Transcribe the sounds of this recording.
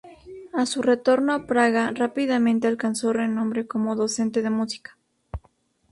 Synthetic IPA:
asure̞t̪o̞ɾnoapɾaɣarapiðamẽ̞nt̪e̞alkanso̞re̞nõmbɾe̞ko̞mo̞ðo̞se̞nt̪e̞ð̞e̞musi̥kḁ

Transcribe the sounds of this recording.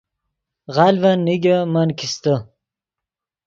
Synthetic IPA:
ʁalvanːiɡʲəmankist̪ə

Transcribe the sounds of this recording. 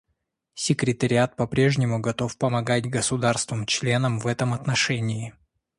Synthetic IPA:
sʲɪkɾʲɪt̪əɾʲɪat̪̚pɐpɾʲe̞ʐnʲɪmʊɡɐt̪o̞fpəmɐɡatʲɡəsʊd̪arst̪vəmt͡ɕlʲe̞nəmvɛt̪əmɐt̪nɐʂɛnʲɪː

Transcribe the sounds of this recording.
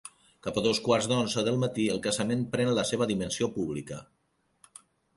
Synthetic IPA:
kapəðoskwarzðd̪onzəðəlˠmət̪iəlˠkəzəmempɾɛnləseβ̞əðimənsiopuβlikə̰

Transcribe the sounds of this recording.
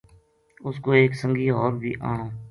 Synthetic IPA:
ʊskoːeːksə̃ŋɡiːɦɔːɾbʱḭːʔã̰ːɦõː

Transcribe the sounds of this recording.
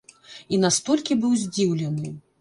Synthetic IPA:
inast̪ɔlʲkʲibɨwzʲd͡zʲiwlʲɛnɨ

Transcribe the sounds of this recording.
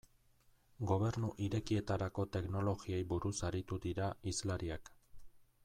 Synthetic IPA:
ɡo̞βe̞ɾnuʔiɾe̞kie̞t̪aɾako̞t̪e̞kno̞lo̞ɣiejbuɾusaɾit̪ud̪iɾaizlaɾiak

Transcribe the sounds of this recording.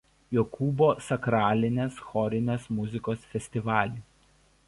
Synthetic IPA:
jokʰuːboːsɐkɾɑːlʲɪnʲeːsxɔɾʲɪnʲeːsmʊzʲɪkoːsfʲɛsʲt̪ʲɪʋɑːlʲiːˑ

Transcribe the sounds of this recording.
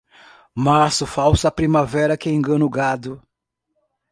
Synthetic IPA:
masʊfawsɐpɾimavɛɾɐkɪẽŋɡɐ̃nʊɡad̪ʊ

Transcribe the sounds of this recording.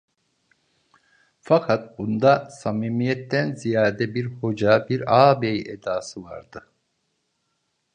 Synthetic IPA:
fakʰat̪̚bund̪asamiːmijɛt̪ːænzijaːd̪ɛbiɾho̞d͡ʒabiɾaːbejed̪aːsɯva̰ɾd̪ɯ

